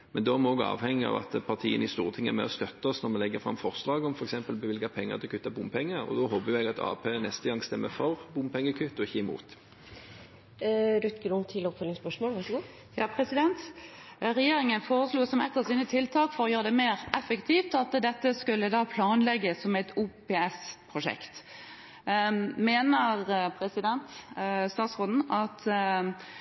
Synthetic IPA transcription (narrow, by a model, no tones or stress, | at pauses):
mɛnd̪ɔæmɛɔɡɑ̰ːʋhɛŋːɪɑ̰ʋɑ̰t̪pʰɑʁt̪ʰiːənɪst̪ṵːɾət̪ʰɪŋæ̰mɛ̰ɔst̪œt̪ːɔsnɔɾmɛlɛɡːəfʁɑ̰mfɔʁslɑːɡɔmfɔɾɛksɛmpəlbəʋɪlɡɑpʰɛŋːə̰ʁt̪ʰɪlkʰʉt̪ːɑbʊmpʰɛŋːəɾɔ̰d̪ɔhoːbəjʊɛɡɑt̪ʰɑ̰ːpʰeːnɛst̪əɡɑŋst̪ɛmːəfɔʁbʊmpʰɛŋːəkʰʉt̪ːɔɪçːəɪmṵːt̪ | ɾʉt̪kəd̪ʊmt̪ʰɪlɔpfœʏlɪŋspœʂmoːlʋɑʂɡuː | jɑːpʰʁɛsɪd̪ɛnt̪ | ɾɛjeːɾɪŋənfoːʁəsluːsɔmɛ̰t̪ːəʁsɪnət̪ʰɪlt̪ʰɑːkfɔɾʁɔjøːʁəd̪ɛmeːɾɛfəkt̪ʰiːft̪ɑt̪d̪ɛt̪ːəskʉlːəd̪ɑːpʰlɑːnlɛɡːəsːɔmɛɪt̪ʰuːpeːɛspʰʁʊʂɛ̰kt̪ | meːnəʁpʰɾɛsɪd̪ɛnt̪st̪ɑːt̪sʁoːd̪n̩ɑt̪